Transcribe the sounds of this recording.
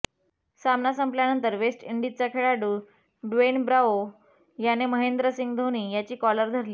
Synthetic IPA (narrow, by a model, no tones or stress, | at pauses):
samnasəmpljanənt̪əɾʋesʈiɳɖit͡sakʰeɭaɖuː | ɖʋenbɾao | janeməɦend̪ɾəsiŋɡd̪ʱoñiːjat͡ɕiːkɔləɾd̪ʱəɾliː